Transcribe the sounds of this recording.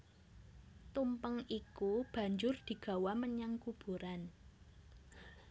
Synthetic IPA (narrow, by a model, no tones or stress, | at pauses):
t̪umpəŋikub̥ä̤ɲd͡ʒʊrd̪̥i̤ɡ̥a̤waməɲaŋkub̥ṳɾan